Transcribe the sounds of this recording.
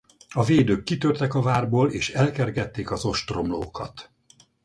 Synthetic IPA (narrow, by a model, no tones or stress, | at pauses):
ɒveːd̪økːit̪ørt̪ɛkɒvaːrboːleːʃɛlkɛrɡɛt̪ːeːkɒzo̞ʃt̪ro̞mlo̰ːkɒ̰t̪